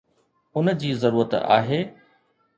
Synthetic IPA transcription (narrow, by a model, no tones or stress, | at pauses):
ʊnd͡ʑiːzɐɾuːɾət̪a̰ːɦeː